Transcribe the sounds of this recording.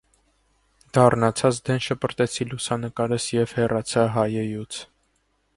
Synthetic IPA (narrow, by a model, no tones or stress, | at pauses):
d̪̥ɑrnɑt͡sʰɑt͡sʰd̪ɛnʃəpəɾt̪ɛt͡sʰilusɑnəkɑɾəsjɛv̥hɛrɑt͡sʰɑɦɑjɛjut͡sʰ